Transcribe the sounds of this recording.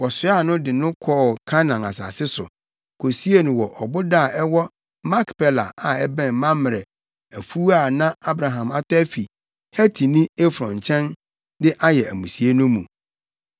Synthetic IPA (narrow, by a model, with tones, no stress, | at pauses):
wɔ˨sʊ˦a˦˨nʊ̃˦dɪ˨nʊ̃˦kʰɔ˦˨kʰa˦nã˨na̰˨sa̰˨sɪ˦sʊ̰˨ | kʰo˨si˦e˦nʊ̃˨wɔ˨ʔɔ˨bʊ˦da˦˨ɛ˦wɔ˦ | mã˦kpʰɛ˦la̰˨a˨ɛ˦bɛ̃˦˨nmã˦m˨ɾɛ˨ | æ˨fu˦a˦˨nã˦a˦bɾa˨ɦã˨ma˨tʰæ˦fi˨ | hæ˦tʰi˨nĩ˦e˦fɾɔ̃˨ɲ˨t͡ɕʰɛ̃˦n | dɪ˦ʔa˦jɛ˨æ˨mũ˨si˨e˦nʊ̃˦mũ˨